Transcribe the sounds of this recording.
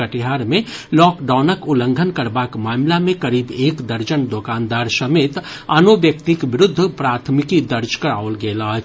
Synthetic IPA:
əʈɪɦaːɾmẽlɔːkɖaːnəkʊlə̃ŋɡʱənkɐɾbaːkmaːmlamẽkɐɾiːbeːkd̪əɾd͡ʒənd̪okaːnd̪aːɾsɐmeːt̪ | ɐnoʋjəkt̪ikʋɪɾʊd̪ʱːpɾaːt̪ʰmɪkid̪əɾd͡ʒkəɾaːolɡeːlaː

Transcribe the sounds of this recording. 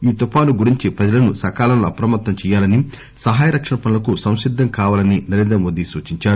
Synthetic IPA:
iːt̪upaːnuɡuɾiɲt͡ʃipɾɐd͡ʒɐlɐnusɐkaːlɐnluɐpɾɐmɐt̪ːɐmt͡ʃɛːjaːlɐni | sɐɦaːjɐɾɐkʂɐɳɐpɐnulɐkusɐw̃ʂid̪ʱːɐŋkaːʋaːlɐninɐɾe̞ːnd̪ɾɐmo̞ːd̪isuːt͡ʃiɲt͡ʃaːɾu

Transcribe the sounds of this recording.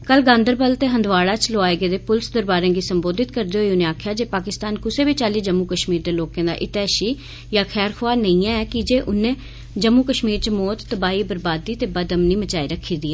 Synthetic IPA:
kəlɡãːnd̪əɾbəlt̪eːɦənd̪ʋaːɽaːt͡ʃloaːeːɡeːd̪eːpʊlsd̪əɾbaːɾẽːɡiːsəmboːd̪ɪt̪kəɾd̪eːɦoiʊnẽːaːkʰjaːd͡ʒeːpaːkɪst̪aːnkʊseːbiːt͡ʃaːliːd͡ʒəmːuːkəʃmiːɾd̪eːloːkãːd̪a̰ːʔɪt̪ɛːʃiː | jaːkʰɛːɾkʰoaːnəĩɛ̃ːɛːkɪd͡ʒeːʔʊnẽː | d͡ʒəmːuːkəʃmiːɾt͡ʃəmɔːt̪t̪əbaːiːbəɾbaːd̪iːt̪eːbəd̪əmniːmət͡ʃaːiːɾəkʰːiːd̪iːɛː

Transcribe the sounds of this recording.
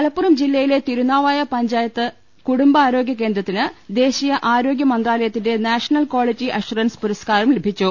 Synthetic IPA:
kɐlɐpːurɐmd͡ʑilːɐjile̞t̪iɾunaːʋaːjɐpɐɲd͡ʑaːjɐt̪ːɨ | kuɽumbɐaːɾo̞ːɡʲjɐk̬ːe̞ːnd̪rɐt̪ːinɨd̪e̞ːɕijɐʔaːɾo̞ːɡjɐmɐnd̪raːlɐjɐt̪ːinde̞naːʂɐnɐlkoːɭid͡ʑiʔɐʂurɐnspuɾɐskaːrɐmlebʱit͡ɕːu

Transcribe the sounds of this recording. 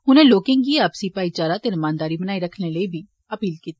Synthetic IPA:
ɦʊnẽːloːkɪ̃ːŋɡiaːpsipaːit͡ʃaːɾaːt̪enəmãːnd̪aːɾiːbənaːiɾəkʰneləiːbʱiː | əpiːlkiːt̪i

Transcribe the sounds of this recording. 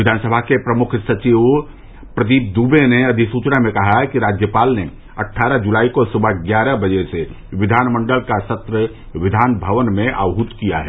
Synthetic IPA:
ɪd̪ʱaːnsəbʱakepɾɐmʊkʰsɐt͡ʃiʋ | pɾəd̪iːp̚d̪uːbeneɐd̪ʱisuːt͡ʃnamẽkɐɦaɦɛkiɾaːd͡ʒjəpaːlne | ɐʈʰːaːɾəd͡ʒulaːikosʊbəɡjaːɾəbɐd͡ʒese | ʋɪd̪ʱaːnmə̃ɳɖəlkasɐt̪ɾə | ʋɪd̪ʱaːnbʱəʋənmẽʔa̰ːɦʊt̪kijaɦɛː

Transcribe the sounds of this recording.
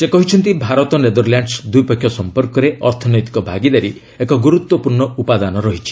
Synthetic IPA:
sekɔɦit͡ʃʰɔnt̪ibʱaɾɔt̪ɔned̪ɔɾljaɳɖsd̪ujpɔkʰːjɔsɔmpɔɾkɔɾeɔɾt̪ʰɔnɔjt̪i̥kɔbʱaɡid̪aɾi | ekɔɡuɾut̪wɔpuɾɳɔupad̪anɔɾɔɦit͡ʃʰi̥

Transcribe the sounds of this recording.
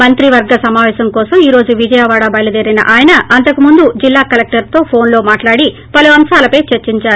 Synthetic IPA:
mɐnt̪ɾiʋɐɾɡɐsɐmaːʋɛːsɐmkɔːsɐmiːɾo̞ːd͡ʒuʋid͡ʒɐjaːʋaːɽɐbɐjɐlɐd͡ʒ̪eɾinɐ̰ʔaːjɐnɐːnt̪ɐkumund̪ud͡ʒilːaːkɐlek̚ʈɐɾt̪o̞ːpʰo̞ːnlo̞ːmaːʈlaːɽi | pɐluɐmsaːlɐpɐjt͡ʃeɾt͡ʃiɲt͡ʃaːɾu

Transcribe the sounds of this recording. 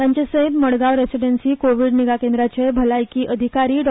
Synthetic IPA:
t̪jaɲt͡ɕesəɦit̪məɽɡaʋɾesiɖensiːkoʋiɽniɡakẽnd̪ɾat͡ɕebʱəlajkiːʔəd̪ʱikaɾiːɖ

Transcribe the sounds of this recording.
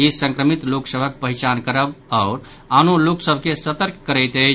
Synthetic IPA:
isə̃ŋkɾəmit̪loksəbʱək̚pəɦit͡ʃankəɾəbaʊɾ | anoloksəbʱkesət̪əɾk̚ːəɾəɪt̪ə

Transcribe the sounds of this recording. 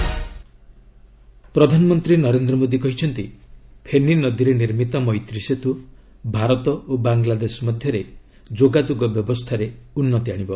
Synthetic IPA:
pɾɔd̪ʱanɔmɔnt̪ɾinɔɾend̪ɾɔmod̪ikɔɦit͡ʃʰɔnt̪ipʰeninɔd̪iɾeniɾmit̪ɔmɔjt̪ɾiset̪u | bʱaɾɔt̪ɔobaŋɡlad̪esɔmɔd̪ʱjɔɾe | d͡ʒoɡad͡ʒoɡɔbjɔbɔst̪ʰaɾeunːɔt̪iaɽ̃ibɔ

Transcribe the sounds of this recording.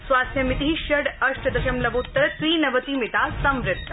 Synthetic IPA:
sʋaːst̪ʰjɐmit̪iɦiʃɐɖɐʂʈɐd̪ɐʃɐmlɐboːt̪ːɐɾtɾiːnɐʋɐt̪imɪʈ̪aːsɐmɾɪt̪ːɐ

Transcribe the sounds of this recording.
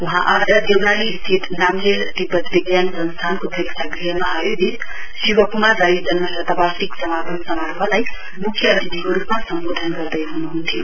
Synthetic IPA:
uɦãʔaɾd̪ʌd̪eɡalist̪ʰit̪namlelʈibʌt̪liɡjand͡zʌnst̪ʰankot̪ʰəiksaɡɾiɦemaajoɡit̪ | siwʌkumaːajud͡zʌnmʌsʌt̪abat̪iksʌmapʌnsʌmaɾbʰʱalaj | mukʰjʌːt̪id̪ikoɾupmasʌmbod̪ʱənɡʌɾd̪ʌjɦunuɦunt̪ʰijo

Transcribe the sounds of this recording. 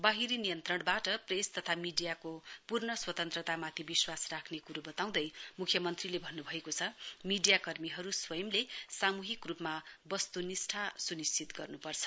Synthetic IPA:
baɦiɾinijʌnt̪rʌɽbaʈʌprest̪ʌt̪ʰamiɖijakopurnʌswʌt̪ʌnt̪rʌt̪amat̪ʰibiswasrakʰnekuɾobʌt̪aw̃d̪ʌjmukʰjʌmʌnt̪rilebʱʌnːubʱʌekot͡sʰʌmiɖijakʌrmiɦʌɾuswʌjʌmlesamuɦikrupmabʌst̪unisʈʰasunist͡sːit̪ɡʌrnupʌrt͡sʰʌ̥

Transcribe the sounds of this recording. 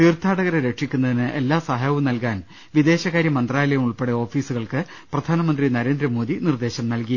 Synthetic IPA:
t̪iːrt̪ʰaːɽɐɣɐɾeɾe̞kʂikʲːunːɐðinɨʔe̞lːaːsɐɦaːjɐʋɐmnɐlkaːn | ʋid̪e̞ːɕɐkaːɾjɐmɐnd̪raːjlɐjɐmuɭpeɽeo̞ːfiːsuɣɐɭkɨ | prɐd̪ʱaːnɐmɐnd̪rinɐɾe̞ːnd̪ɾɐmo̞ːd̪inird̪e̞ːɕɐmnɐlki

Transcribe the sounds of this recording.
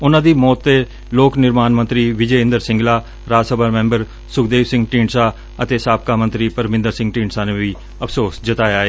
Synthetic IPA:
ʊnãːd̪iːmɔːt̪ːeː | loːknɪɾmaːnmə̃nt̪ɾiːʋɪd͡ʒɛːɪ̃nd̪əɾsɪ̃ŋɡlaː | ɾaːd͡ʒsəbaːmɛ̃ːmbəɾ | sʊkd̪eːʋsɪ̃ŋɡʈiːɳsaː | ət̪eːsaːp̚kaːmə̃nt̪ɾiːpəɾmɪ̃nd̪əɾsɪ̃ŋɡʈiːɳsaːnẽːʋiː | əpʰsoːsd͡ʒət̪aːjaːeː

